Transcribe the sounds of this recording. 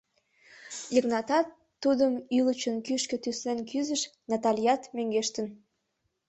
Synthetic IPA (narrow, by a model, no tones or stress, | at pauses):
jəknɑt̪ɑt̪ːud̪əmylət͡ɕənkyʃkø̆t̪yslenkyzəʃnɑt̪ɑlʲijɑt̪møŋɡeʃt̪ən